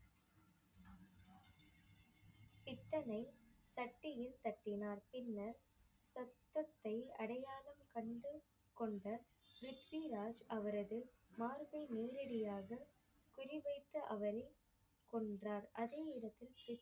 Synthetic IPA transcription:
pɪt̪ːɐnɐɪsɐʈːɪjɪlt̪ɐʈːɪnaːɾpɪnːɐɾ | sɐt̪ːɐt̪ːɐɪɐɽɐjaːlɐmkɐɳɖɯ | kɔɳɖɐ | ɾɪʈʋiɾaːd͡ʒʔɐʋɐɾɐðɯmaːɾʋɐɪneːɾɐɽɪjaːɣɐ | kʊrɪʋɐɪt̪ːɯʔɐʋɐɾɐɪ | kɔɳdraːɾʔɐðeːɪɽɐt̪ːɪlɪt̪ː

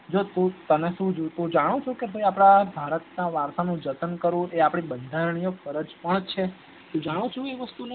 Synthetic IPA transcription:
d͡ʒot̪ũt̪əneʃũd͡ʒot̪ũd͡ʒaɽ̃ũt͡ʃʰũkeɦojapɽ̃abʱaɾət̪̚naʋaɾsanũd͡ʒət̪ənkəɾũʔeapɽ̃ibənd̪ʱaɾɳ̃ijofəɾəd͡ʒpəɳt͡ʃʰe | t̪ũd͡ʒaɽ̃ũt͡ʃʰũeʋəst̪une

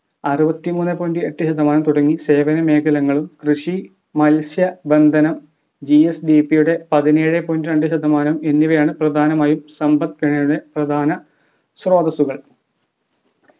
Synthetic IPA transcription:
ɐrubɐt̪ːimuːnːepːoːjindɨeʈːɨɕɐd̪ɐmaːnɐmt̪uɽɐŋːise̞ːʋɐnɐme̞ːkʰɐlɐŋːɐɭumkrɨʂi | mɐlsjɐbe̞nd̪ʱɐnɐm | d͡ʑiesɖipːijuɽe̞pɐðineːɻepoːjindɨɾɐɳɖɨɕɐd̪ʱɐmaːnɐme̞nːiʋɐjaːɳɨprɐd̪ʱaːnɐmaːjumsɐmbɐt̪̚kɐɳɐjuɽe̞prɐd̪ʱaːnɐ | sro̞ːd̪ɐsuɣɐɭ

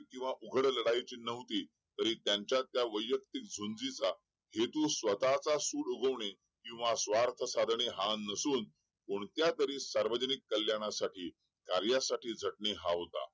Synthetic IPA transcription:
kĩw̃ʋaʔuɡʱəɽləɽajt͡ɕiːnəʋt̪iː | t̪əɾiːt̪jaɲt͡ɕjat̪jaʋəjːək̚t̪ik̚d͡zʱund͡zit͡sa | het̪ũsʋət̪at͡sasuːɽuɡʱəʋɳe | kĩw̃ʋasʋaɾt̪ʰəsad̪ʱɳeɦãnːəsuːn | koɳt̪jat̪əɾiːsaɾʋəd͡ʑənikːəljaɽ̃asaʈʰiː | kaɾjasaʈiːd͡zʱəʈɳeɦaɦot̪a̰

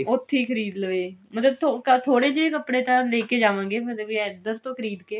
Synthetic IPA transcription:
ʊʈʰːiːkʰəɾiːd̪ləʋeːmət̪ləbt̪ʰokət̪ʰoːɽeːd͡ʒeeːkəpɽeːt̪ãːleːkeːd͡ʒaːʋãːŋ̆ɡeːmət̪ləbɛːd̪əɾt̪õːkʰəɾiːd̪keː

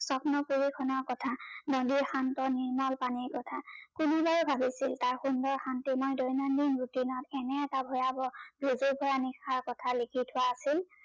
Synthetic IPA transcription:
sɔpnɔkuɹikʰɔnɔɹkɔtʰanɔdixantɔniɹmalpaniɹkɔtʰakunebaɹubʱabisiltaɹxundɔɹxantimɔjdɔjnandinɹutinɔtɛnɛɛtabʱɔjabɔbʱizobʱɔjanixʰaɹkɔtʰalikʰitʰʊwaːsil

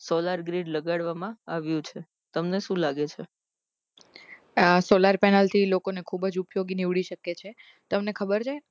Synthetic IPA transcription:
solaɾɡɾiɖləɡaɽʋamãaʋjũt͡ʃʰe | t̪əmneʃũlaɡet͡ʃʰe | solaɾpɛnalt̪ʰilokonekʰubəd͡ʒupjoɡiniʋɽiʃəket͡ʃʰe | t̪əmnekʰəbəɾd͡ʒʰa

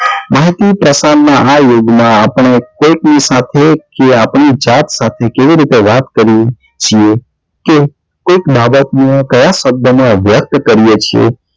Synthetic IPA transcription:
maɦit̪ipɾəsanːaajoɡmãapəɳ̃ekoiknisat̪ʰekeapɳid͡ʒat̪sat̪ʰekeʋiɾit̪eʋat̪kəɾi | t͡ʃʰie | ke | koikbʱabət̪niekəjaʃəb̚d̪ʱəmãʋjək̚t̪kəɾijet͡ʃʰiḛ

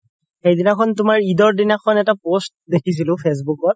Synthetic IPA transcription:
xejdinakʰɔntʊmaɹidɔɹdinakʰɔnɛtapost̚dekʰis̬ilʊ̃pʰes̬bukɔt̚

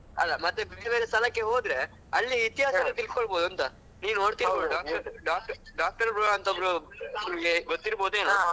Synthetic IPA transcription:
ɐ̰lːɐmɐt̪ːebeːɾebeːɾest̪ɐlɐkːeɦo̞ːd̪ɾe̞ | ɐlːiːt̪iɦaːsɐɡɐlt̪ilskoɭbo̞ːd̪uɐnt̪ɐ | niːnoːɽt̪iɾboɖaːk̚ʈɐɾɖaːk̚ʈɐɖaːk̚ʈɐɾbɾuɐnt̪ɐbɾunimɡeɡot̪ːiɾboːd̪eːnaː

